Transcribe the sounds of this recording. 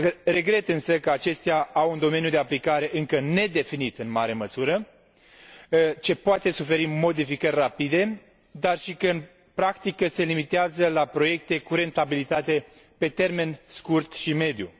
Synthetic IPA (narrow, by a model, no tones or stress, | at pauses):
re̞ɡɾe̞t̪ɨnsəkəat͡ʃe̞st̪eaawund̪o̞me̞njud̪e̞aplikaɾe̞ʔɨŋkəne̞d̪e̞finit̪ɨnmaɾe̞məsuɾə | t͡ʃe̞poat̪e̞sufe̞ɾimo̞d̪ifikərʲrapid̪e̞ | d̪arʃikəɨn | pɾakt̪ikəse̞limit̪eazəlapɾo̞je̞k̚t̪e̞kuɾe̞nt̪abilit̪at̪e̞ | pe̞t̪e̞rme̞nskurt̪ʃime̞d̪ju